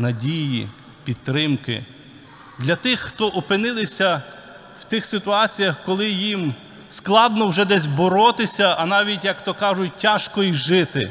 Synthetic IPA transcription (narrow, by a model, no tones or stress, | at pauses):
nɐdʲijḭ | pʲid̪̚t̪ɾɪmkɪ̰ | d̪lʲɐt̪ɪxːt̪ɔʔɔpɪnɪlˠɪsʲɐ | wt̪ɪxsɪt̪ʊɑt͡sʲijɐxkɔlˠɪjim | sklˠɑd̪nɔwʒɛd̪ɛzʲbɔɾɔt̪ɪsʲɐɐnɑʋʲitʲjɐkt̪ɔkɑʒʊt̚ʲtʲːaʃkɔiʒɪt̪ɪ̰